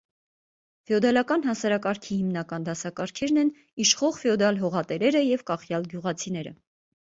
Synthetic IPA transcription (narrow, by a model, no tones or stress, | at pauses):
fɛɔd̪ɑlɑkɑnɦɑsɑɾɑkɑɾkʰihimnɑkɑnd̪ɑsɑkɑɾkʰɛɾnɛn | iʃχɔʁfɛɔd̪ɑlɦɔʁɑt̪ɛɾɛɾəjɛvkɑχjɑlɡjuʁɑt͡sʰinɛɾə̰